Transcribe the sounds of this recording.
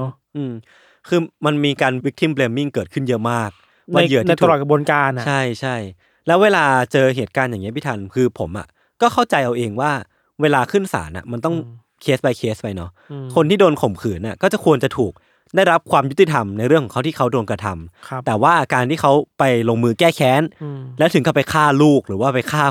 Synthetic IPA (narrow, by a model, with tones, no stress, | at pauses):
ʔɯː˧m | kʰɯː˧ma˧nmiː˧kaː˧nwi˦˥k̚t̪ʰi˦˥˩mpleː˧mːi˥˩ŋkɤː˨˩t̚kʰɯ˥˩njɤ˦˥maː˥˩k̚ | waː˥˧˩jɯ˦˥ɐt̪ʰːlɔː˨˩kʰbu˧nkaː˧nt͡ɕt͡ɕʰa˥˩jt͡ɕʰa˥˩j | lɛː˦˥weː˧laː˧t͡ɕɤː˧ɦeː˨˩t̪̚kaː˧njaː˨˩ŋːi˦˥pʰi˥˩t̪ʰa˧nkʰɯː˧pʰo˩˦mʔa̰˨˩ | kɔː˥˩xʰa˥˩wt͡ɕa˧jʔa˧wʔeː˧ŋwaː˥˩ | weː˧laː˧kʰɯ˥˩nsa̰ː˩˦nʔa̰˨˩ma˧nt̪ɔ˥˩ŋ | kʰeː˦˥spa˧jkʰeː˦˥spa˧jnɔ˦˥ | kʰo˧nt̪ʰiː˥˩doː˧nkʰo˨˩˦mkʰɯː˩˦nʔa˨˩kɔː˥˩t͡ɕa˨˩kʰu˧ənt͡ɕa˨˩t̪ʰuː˨˩k̚ | daː˥˩jɾa˦˥p̚kʰwaː˧mju˦˥t̪i˧t̪ʰa˧mna˧jɾɯ˥˩əŋʰɔ˨˦˥a˥wt̪iː˥˩kʰa˦˥wdoː˧nka˧t̪ʰa˧mʰt̪ɛː˨˩waː˥˩ʔakaː˧nt̪ʰiː˥˩kʰa˦˥wpa˧jloː˧ŋmɯː˧kɛː˥˩kʰɛː˦˥nlɛː˦˥wt̪ʰɯ˨˩˦ŋkɔ˥˩pa˧jkʰaː˥˩luː˥˩k̚ɾɯː˩˦waː˥˩pa˧jkʰaː˥˩